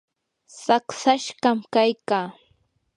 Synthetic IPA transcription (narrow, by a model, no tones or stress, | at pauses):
saksaʃɢamkajkaː